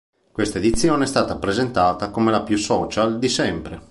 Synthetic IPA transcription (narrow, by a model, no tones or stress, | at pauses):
kwest̪aed̪it̪sːjoːneɛst̪aːt̪apɾezent̪aːt̪akomelapjusɔːt͡ʃald̪isɛmpɾe